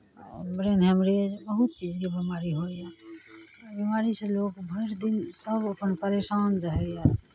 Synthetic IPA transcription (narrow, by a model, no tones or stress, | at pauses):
mɾeːnɦɛmɾed͡ʒbəɦʊt̪̚t͡ʃiːd͡ʒkibimaːɾiɦoːiɛː | bimaːɾiseloːkbʱəɾd̪ɪnsəbəpənpəɾeːʃaːnɾəɦɛɡɛ